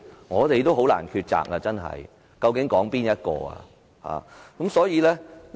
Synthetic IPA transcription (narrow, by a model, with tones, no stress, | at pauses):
ŋɔː˨˧t̪e˨jt̪o˥wɦo˨˥wla̰ː˨˩nkʰyː˧t̚t͡sa̰ː˨k̚a˧t͡sɐ˥nɦɐ̰˨j | kɐ˧wkɪ˨˥ŋkɔː˨˥ŋpiː˥njɐ˥t̚kɔ̰ː˧a̰˧ | ha̰ː˨kɐ˨˥msɔː˨˥jiː˨˧lɛː˥